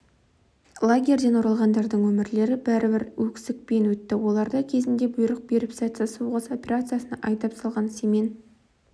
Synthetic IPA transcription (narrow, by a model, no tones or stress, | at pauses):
lˠaɡʲe̞rʲd̪e̞nwo̞ɾɑlˠʁɑnd̪ɑɾd̪əɴwɵmɪɾle̞ɾɪbæɾɪbɪɾwɵkʲsɪk̚pe̞nwɵt̪ːɪwo̞lˠɑɾd̪ɑkʲʰe̞zɪnd̪e̞bʊjɾəq̚beɾɪpsat̪səsuwʁɑso̞pʲe̞ɾat̪sɨjasənɑʔɑjt̪ɑpsɑlˠʁɑnseme̞n